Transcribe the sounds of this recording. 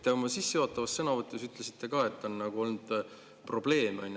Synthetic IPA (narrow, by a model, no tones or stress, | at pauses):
t̪ːeomɑsisːe̞joːt̪ːˑɑvɑstːɤnɑvɤt̪ːˑusyt̪ːˑle̞sit̪ːe̞kɑːe̞t̪ːo̞nːɑɡ̥uo̞lnud̪̥ | pro̞b̥le̞ːmɑ̰nʲ